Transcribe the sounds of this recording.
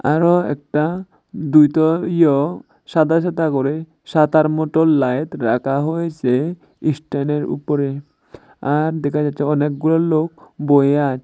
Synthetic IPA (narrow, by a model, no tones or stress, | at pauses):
a̰ɾoɛ̰k̚ʈa | d̪ujt̪ɔijɔ | ʃad̪ʱaʃ̬at̪akɔɾe | ʃad̪aɾmɔʈolːajt̪ɾakʰaɦojet͡ɕʰe | isʈaneɾṵpɔɾe | aɾd̪ɛkʰad͡ʑatːt͡ʃʰeɔnek̚ɡulalokbojeat͡ʃʰ